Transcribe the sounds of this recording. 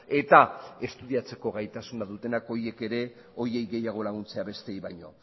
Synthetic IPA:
e̞t̪ae̞st̪uðiat͡se̞ko̞ɣajt̪asunaðut̪e̞nako̞ɾje̞ke̞ɾe̞ | o̞ɾie̞jɣe̞jaɣ̞o̞laɣ̞unt͡se̞aβe̞st̪ejβajɲo̞̰

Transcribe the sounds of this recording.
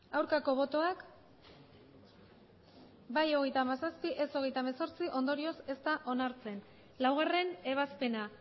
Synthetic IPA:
awɾkako̞β̞o̞t̪o̞ak | bajo̞ɣ̞e̞jt̪aːmasaspiʔe̞so̞ɣ̞e̞jt̪amaso̞ɾt͡siʔo̞nd̪o̞ɾio̞se̞st̪aʔo̞naɾt͡se̞n | lawɣare̞ne̞β̞aspe̞na

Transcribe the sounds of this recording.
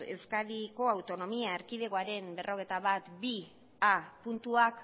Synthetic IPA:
e̞wskaðiko̞awt̪o̞no̞miaeɾkiðe̞ɣoaɾe̞mbe̞rʔo̞ɣ̞ejt̪aβat̪bi | apunt̪uak

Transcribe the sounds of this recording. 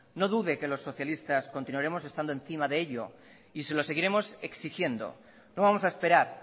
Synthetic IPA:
no̞ðuðe̞ke̞lo̞sːo̞θjalist̪askont̪inwaɾe̞mo̞se̞st̪and̪oen̟θimaðeeʎo̞̰ | ise̞lo̞se̞ɣiɾe̞mo̞se̞ksixje̞nd̪o̞̰ | noβamo̞saespe̞ɾaɾ

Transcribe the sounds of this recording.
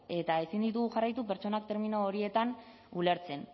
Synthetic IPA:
e̞t̪ae̞sind̪it̪̬uɣuxarajt̪upe̞ɾt͡ʃo̞nak̚t̪e̞ɾmino̞ːɾie̞t̪an | ule̞ɾt͡se̞n

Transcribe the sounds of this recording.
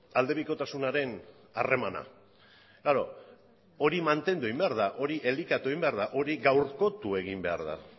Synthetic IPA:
ald̪e̞βiko̞t̪asunaɾe̞n | are̞mana̰ | ɡaɾo̞ | oɾimant̪e̞nd̪ue̞imbe̞aɾðaʔo̞ɾiʔe̞likat̪ue̞imbe̞aɾðaʔo̞ɾiɣawɾko̞t̪ue̞ɣ̞imbe̞a̰ɾða̰

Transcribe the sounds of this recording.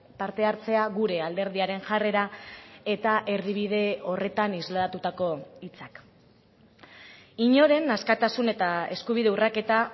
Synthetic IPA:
paɾt̪e̞aɾt͡se̞aɣuɾe̞ald̪e̞ɾð̞iaɾe̞nʝare̞ɾae̞t̪aʔe̞ɾðiβ̞ið̞e̞o̞re̞t̪anizlaɾat̪ut̪ako̞it͡sak | iɲo̞ɾe̞naskat̪asune̞t̪ae̞skuβ̞iðe̞urake̞t̪a

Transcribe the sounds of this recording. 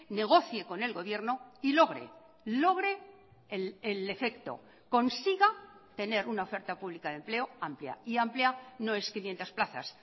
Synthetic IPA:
ne̞ɣ̞o̞θjeko̞ne̞lɣo̞βje̞ɾno̞ilo̞ɣ̞ɾḛ | lo̞ɣ̞ɾe̞ | lele̞fe̞kt̪o̞̰ | ko̞nsiɣat̪e̞ne̞ɾunaofe̞ɾt̪apuβlikaðe̞mple̞o̞amplja̰iampljano̞e̞skinje̞nt̪asplaθa̰s

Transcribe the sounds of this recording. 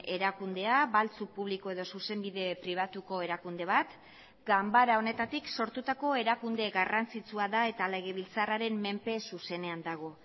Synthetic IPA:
e̞ɾakund̪e̞aβalt͡supuβ̞likoe̞ð̞o̞suse̞mbiðe̞pɾiβ̞at̪uko̞e̞ɾakund̪e̞βat̪ | ɡambaɾao̞ne̞t̪at̪ikso̞ɾt̪ut̪ako̞e̞ɾakund̪e̞ɣarant͡sit͡suaðae̞t̪ale̞ɣ̞e̞β̞ilt͡saraɾe̞mme̞mpe̞suse̞ne̞and̪aɣ̞o̞

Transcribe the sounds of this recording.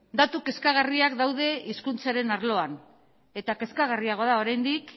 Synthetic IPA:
d̪at̪uke̞skaɣariakd̪awðe̞iskunt͡saɾe̞naɾlo̞an | e̞t̪ake̞skaɣ̞ariaɣ̞oðao̞ɾajnd̪ik

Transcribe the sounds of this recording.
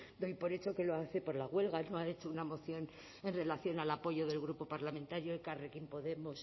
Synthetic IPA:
d̪o̞jpo̞ɾe̞t͡ʃo̞ke̞loaθe̞po̞ɾlaɣwe̞lɣano̞ae̞t͡ʃounamo̞θjo̞n | e̞nre̞laθjo̞nalapo̞ʝo̞ðe̞lɣ̞ɾupo̞paɾlamẽ̞nt̪aɾjoelkarekimpo̞ðe̞mos

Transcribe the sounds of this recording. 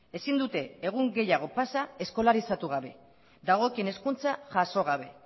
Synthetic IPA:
e̞sind̪ut̪e̞ːɣ̞uŋɡe̞jaɣ̞o̞pasae̞sko̞laɾisat̪uɣaβe̞ | ðaɣ̞o̞kiene̞skunt͡saʝaso̞ɣ̞aβ̞e̞

